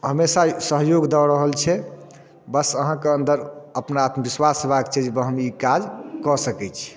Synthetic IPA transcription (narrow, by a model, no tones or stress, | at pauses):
ɦəmesasəɦjoɡd̪ɔɾəɦəlt͡ʃʰɛ | bəsəɦãkeənd̪əɾəpnaat̪mbiswasbakt͡ʃʰɛd͡ʒebəɦəmikad͡ʒkɔsəkɛt͡ʃʰi̥